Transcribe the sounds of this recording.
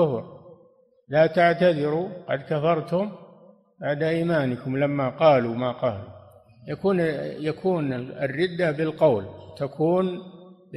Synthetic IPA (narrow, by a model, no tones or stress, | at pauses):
ʊfɾ | laːt̪aʕt̪aðɪɾuqɑ̰d̪kafɑɾˤt̪hʊm | baʕd̪aʔiːmaːnɪkʊmlamːaqɑːlumaqɑːlṵ | jakuːnjakʰuːnɪrːɪd̪ːabɪlqɑwlt̪akʰuːn